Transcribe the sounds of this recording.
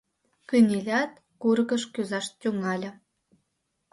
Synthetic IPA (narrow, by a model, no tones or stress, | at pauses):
kynʲilʲɑt̪̚ | kurɣəʃkyzɑʃt̪ʲyŋɑlʲə̆